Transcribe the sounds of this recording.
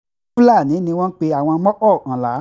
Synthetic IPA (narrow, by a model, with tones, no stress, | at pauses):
u˦la˦˨nĩ˨˦nĩ˧w̃ɔ̃˦n̩˦k͡pe˧˦a˨w̃ɔ̃˧˦mɔ̃˦ʔɔ˦˨ʔã˨la˨˦